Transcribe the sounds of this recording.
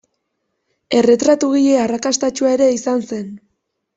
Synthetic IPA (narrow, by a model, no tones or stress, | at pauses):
e̞re̞t̪ɾat̪uɣiʎe̞arakast̪at͡ʃuae̞ɾe̞isanse̞n